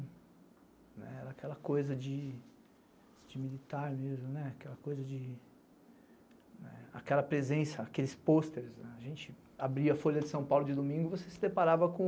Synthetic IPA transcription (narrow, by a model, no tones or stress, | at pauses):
nɛ̰ɛɾɐakʰɛlɐkojzɐd͡ʒɪ | d͡ʒɪmilit̪aɾmezmʊnɛakɛlɐkojzɐd͡ʒɪ | nɛ̰a̰kɛlɐpɾezẽsɐakelɪspost̪eɾsnɛaʒẽt͡ʃɪ | abɾiɐfoʎɐd͡ʒɪsɐ̃w̃pawlʊd͡ʒɪd̪omĩŋɡʊɪvosesɪd̪epaɾavɐkõ